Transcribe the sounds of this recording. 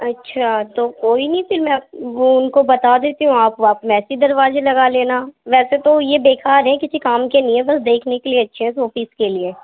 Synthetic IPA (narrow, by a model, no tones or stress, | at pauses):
ɐtːʃʰaːt̪oːkoːinɐĩsɪlmɛ̃oʊnkobɐt̪aːd̪eːt̪iɦũaːpaːpmɛːsid̪ɐɾʋaːzelɐɡaleːnaʋɛːset̪ojebeːkaːɾɦɛ̃kɪsikaːmkenɪɛ̃bɐsd̪eːkʰnekelieɐtːʃʰeɦɛsoːfiskelieː